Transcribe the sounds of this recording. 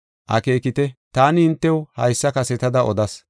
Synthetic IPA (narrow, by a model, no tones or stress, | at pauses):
ʔɐ̰ke̞ːkɪt̪ɛt̪aːnɪhɪnt̪ːɛwhɐjsːɐkɐsɛt̪ɐd̪ɐʔɔd̪ɐs